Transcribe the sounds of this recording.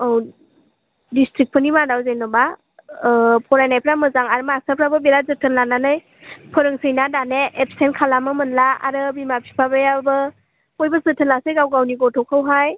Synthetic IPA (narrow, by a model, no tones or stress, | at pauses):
ɔw | distɾik̚pʰənimadawzejnɔba | pʰɔɾajnajpʰɾamɯzaŋaɾmasapʰɾabɯbelazɯtʰɯnlananɯj | pʰɯɾɯŋsɯjnadaneʔepsenkʰalamɯmɯnlaa̰ɾɯbimapʰipʰabɯjabɯ | kɔjbɯzɯtʰənlasejɡawɡawniɡɔtʰɔkʰawɦaj